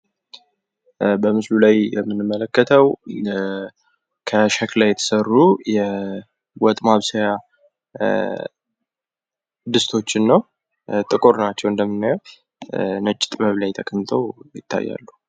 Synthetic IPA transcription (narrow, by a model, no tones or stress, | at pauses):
bəmɨslulajjɛmːɨnɨmːələkːət̪ʰəw | kʰəʃaklajːɛt̪ʰə̥sərːujɛ | wɔt̪ʼmaβsəja | d̪ɨst̪ʰo̞t͡ʃːɪnːəw | t̪ʼɨkʼoɾnat͡ʃːɛwɨnd̪əmːɨnːajɛw | nət͡ʃʼːɪ̥t̪ʼməβlajt̪ʰəkʼəmt̪ʰəwjɪ̰t̪ʰːa̰jːa̰lːu